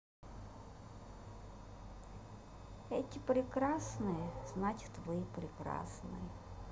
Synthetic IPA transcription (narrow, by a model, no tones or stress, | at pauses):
ɛtʲɪpɾʲɪkrasnɨjəznatʲt̪vɔipɾʲɪkra̰snɨ̰jə